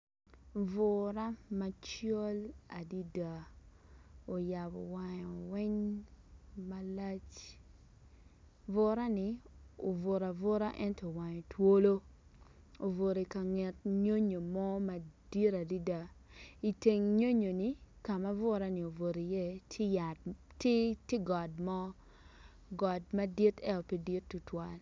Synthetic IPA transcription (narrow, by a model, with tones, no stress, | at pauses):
vʊ˨ɾa˦ma˨t͡ʃjɔ˦la˨di˦da˨ | o˨ja˨bo̰˨wa˨jo˨wɛ˦ɲ | ma˨la˦t͡ʃ | vo˨ɾa˦ni˨˦o˨vo˨ɾa˨vo˦ɾa˦ʔɛ˦ntɔ˨wã˨jtwo˦lo˦ | o˨vo˨ɾe˨ka˨ŋɛ˨tɲo˦ɲo˨mɔ˦ma˨di˦ɾa˨di˦da˦ | i˨te˨ŋɲo˦ɲo˨ni˨˦ka˨ma˦vʊ˦ɾa˦ni˨o˨vo˨ɾi˨jɛ˦tʰe˦ja˨t | tɪ˦te˦ɡɔ˨d̚mɔ˦ | ɡɔ˨d̚ma˦di˦tɛ˦ɔ˨pi˦di˦tːu˨twa˦l